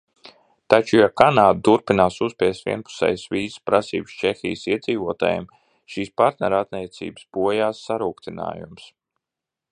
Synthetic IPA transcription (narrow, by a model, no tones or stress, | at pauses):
t̪at͡ʃujakanaːd̪̚t̪uɾpinaːsuspʲiɛst̪vʲḭɛnpu̥sɛ̰jsʋiːzspɾasḭːbst͡ʃexḭːjsiɛd̪ziːvuɔt̪a̰ːjɛ̰m | ʃiːspaɾt̪nɛɾat̪nʲiɛt̪sḭːbəsb̥uɔjaːsːaɾuːkt̪ina̰ːjṵms